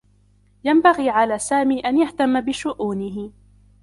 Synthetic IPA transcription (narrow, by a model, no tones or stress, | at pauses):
jambaɣiːʕalaːsaːmiːʔanjaht̪amːabɪʃʊʔuːnɪɦɪ